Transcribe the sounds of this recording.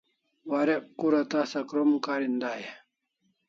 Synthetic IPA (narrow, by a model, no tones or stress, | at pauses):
waɾeʔkuɾat̪asɐkɾomkaɾind̪aːje